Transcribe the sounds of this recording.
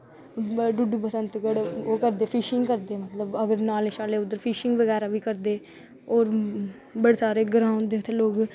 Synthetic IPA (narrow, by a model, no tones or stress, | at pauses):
ɖʊɖuːpəsənt̪kəɽoːkəɾd̪eːpʰɪʃɪŋɡkəɾd̪eːmət̪ləbəɡəɾnaːleʃaːleːʊd̪əɾpʰiːʃɪŋɡʋəɡɛːɾaːbiːkəɾd̪eː | oːɾ | bəɽeːsaːɾeːɡɾaːʊ̃nd̪eːt̪ʰeːloːɡ